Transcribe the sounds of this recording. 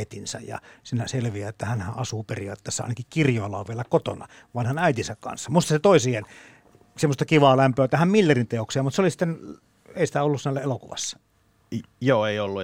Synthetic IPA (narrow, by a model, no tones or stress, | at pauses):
et̪insæ̰jjɑ̰sinæselʋiæet̪ːæhænhæʔɑsuːperiɑt̪ːˑeːsːeɑ̰ˑinɑkikkirjoelːɑ̰oʋʋielækot̪o̰nɑ̰ | ʋɑnhɑnæit̪insækkɑ̰nsːɑmust̪ɑset̪oˑisien | semːost̪ɑkiʋɑːlæmpøæt̪æhæmmilːerint̪eoksiɑmut̪seolisi̥t̪ːen | eˑisi̥t̪æolːussnːælːæelokṵʋɑ̰sːɑ̥ | joːeiolːu